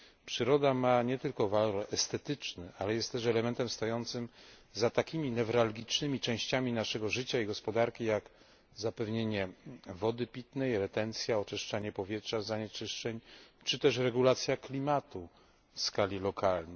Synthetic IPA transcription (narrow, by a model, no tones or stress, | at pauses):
pʂɘɾɔd̪amaɲɛt̪ɘlkɔvalɔɾɛst̪ɛt̪ɘt͡ʂnɘʔalɛjɛst̪t̪ːɛʂɛlɛmɛnt̪ɛmst̪ɔjɔnt̪sɘm | zat̪akʲimʲinɛvɾalɡʲit͡ʂnɘmʲit͡ʂɛ̃w̃ɕt͡ɕamʲinaʂɛɡɔʐɘt͡ɕaiɡɔspɔd̪aɾkʲijak | zapɛvɲeɲɛvɔd̪ɘpʲit̪nɛjɾɛt̪ɛnt̪sʲjaɔt͡ʂɛʂt͡ʂaɲɛpɔvʲjɛtʂazaɲɛt͡ʂɘʂt͡ʂɛɲt͡ʂɘt̪ɛʂɾɛɡulat̪sʲjaklʲimat̪u | fskalʲilɔkʰalnɛj